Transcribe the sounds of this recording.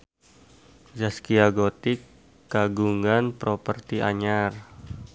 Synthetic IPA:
zaskiaɡot̪ikː | aɡuŋanpɾopərt̪iʔaɲar

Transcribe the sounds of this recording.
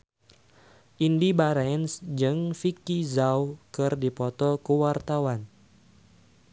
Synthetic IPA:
ʔindibaɾɛnsd͡ʒɨŋfikizawkɨrdipɔt̪ɔkəwart̪awan

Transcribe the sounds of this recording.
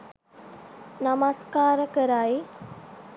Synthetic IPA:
namaskaːɾəkəɾaj

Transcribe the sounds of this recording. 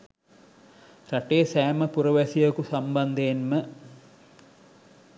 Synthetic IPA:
ɾɐʈeːsaːmɐpurɐʋɐsijɐkusɐmbɐnd̪ʱeːnmɐ

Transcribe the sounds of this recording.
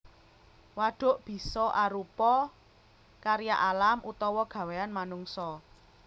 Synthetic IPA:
waɖ̥ʊ̤ʔb̥i̤sɔʔaɾupɔ | kaɾijaʔalamʔut̪ɔwɔɡ̥ä̤weanmanuŋsɔ

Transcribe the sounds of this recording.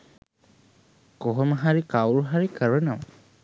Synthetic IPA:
koɦoməɦaɾikawluɦaɾikəɾənəʋə

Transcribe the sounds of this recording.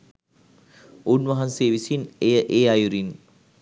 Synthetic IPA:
unʋɐɦanseːʋisinejəʔeːajuɾin

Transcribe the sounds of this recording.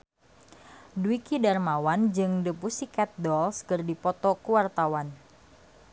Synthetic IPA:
duwikidarmawand͡ʒɨŋdəpusikɛt̪̚dɔlskɨrdipɔt̪ɔkuwart̪awan

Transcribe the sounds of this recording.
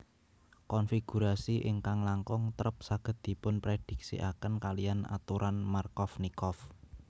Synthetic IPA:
kɔnfiɡ̥ṳɾasiʔɪŋkaŋlaŋkʊŋt̪əɾəp̚saɡ̥ə̤t̪̚d̪̥i̤pʊnpɾed̪̥i̤k̚sḭʔa̰kənkalijana̰t̪uɾʔanmarkɔfnikɔf

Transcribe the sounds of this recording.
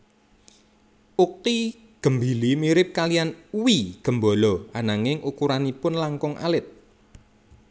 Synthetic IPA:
ʔuk̚i | ɡ̥ə̤mbi̤limiɾɪp̚kalijanwiɡ̥ə̤mbɔ̤lɔanaŋɪŋukuɾanipʊnlaŋkɔŋʔa̰lɪt̪̚

